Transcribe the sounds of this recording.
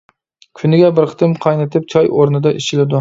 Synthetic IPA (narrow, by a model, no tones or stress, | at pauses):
kʲʰʊnɪɡʲabɪɾqʰɨ̥t̪ʰɪmqʰɑjnɪt̪ʰɪp̚t͡ʃʰɒjoɾnɪd̪aʔɪʃɪlɪd̪ʊ